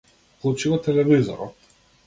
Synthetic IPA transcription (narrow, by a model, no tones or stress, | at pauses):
klˠut͡ʃiɡɔt̪ɛlɛvizɔ̰ɾɔ̰t̪